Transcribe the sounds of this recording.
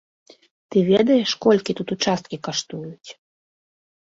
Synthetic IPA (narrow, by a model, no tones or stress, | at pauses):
t̪ɨvʲɛd̪ɐjɛʂkɔlʲkʲit̪ut̪ut͡ʂast̪kʲikaʂt̪ujut͡sʲ